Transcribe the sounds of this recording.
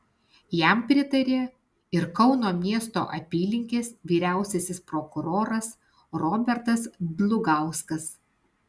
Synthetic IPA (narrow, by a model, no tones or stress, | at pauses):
jæˑmpʲɾʲɪt̪ɐɾʲeː | ɪɾkɒʊnoːmʲiɛst̪o̰ːʔɐ̰pʲiːlʲɪŋʲkʲeːsʋʲiːɾʲæˑʊsʲɛsʲɪspɾokʊɾoːɾɐs | ɾɔːbʲɛɾt̪ɐsd̪lˠʊɡɑˑʊskɐs